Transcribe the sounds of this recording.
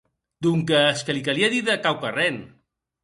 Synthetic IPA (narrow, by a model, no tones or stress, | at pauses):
d̪uŋkəːskəlikaliaðiðəkawkaren